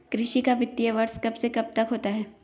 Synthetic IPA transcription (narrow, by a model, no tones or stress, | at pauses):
kɾɪʃikaʋɪt̪ːijəʋɐɾskɐbsekɐb̚t̪ɐkɦoːt̪aɦɛː